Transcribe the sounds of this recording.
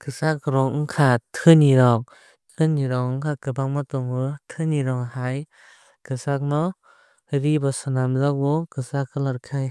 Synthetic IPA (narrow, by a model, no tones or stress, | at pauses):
kɯsakɯɾɔŋ̩kʰatʰɯniɾɔŋ̚ | tʰɯniɾɔŋkʰakɯbaŋmatɔŋɯtʰɯniɾɔŋhaj | kɯsak̚nɔ | ɾibɔsɔnamzak̚bɔkɯsakʰɯlaɾkʰaj